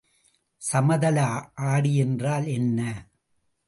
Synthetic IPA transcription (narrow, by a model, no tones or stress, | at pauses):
sɐmɐðɐlaːʔaːɽiɛndraːlɛnːɐ